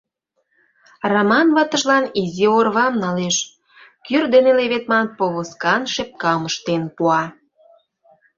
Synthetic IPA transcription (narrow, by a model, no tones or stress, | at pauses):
rɑmɑnβɑt̪ə̆ʒlɑniziorβɑmnɑleʃ | kyrd̪eneleβet̪̚mɑnpoβoskɑnʃep̚kɑməʃt̪enpuɑ